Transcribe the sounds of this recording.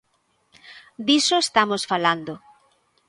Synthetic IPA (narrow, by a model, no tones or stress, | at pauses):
d̪isoest̪amosfaland̪o